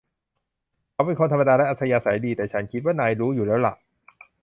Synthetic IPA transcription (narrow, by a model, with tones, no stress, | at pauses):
kʰa˧˩pe˧nkʰoː˧t̪ʰa˧ma˧daː˧lɛ˦˥ʔa˧˩t̪sa˧jaː˧sa˩˦jdiː˧t̪ɛː˨˩t͡ɕʰa˦˥nkʰi˦˥t̪̚waː˥˩naː˧jɾuː˦˥juː˨˩lɛː˦˥wla̰˨˩ʔ